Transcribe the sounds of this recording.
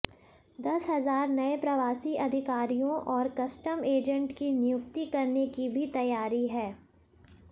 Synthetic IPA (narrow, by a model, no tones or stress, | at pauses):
d̪ɐsɦɐzaːɾnɐepɾɐʋaːsiʔɐd̪ʱɪkaːɾijõʔɔːɾkɐsʈəmeːd͡ʒə̃ɳʈkinɪjʊk̚t̪ikɐɾnekibʱit̪ɐjaːɾiɦɛː